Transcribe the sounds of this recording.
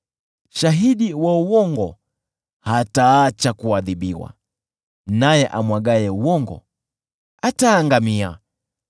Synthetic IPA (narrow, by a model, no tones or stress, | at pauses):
ʃaɦiɗiwauwɔŋɡɔ | hataːt͡ʃakuaðiɓiwa̰ | najɛʔamwaɡajɛuwɔŋɡɔ̰ | ataːŋɡamia̰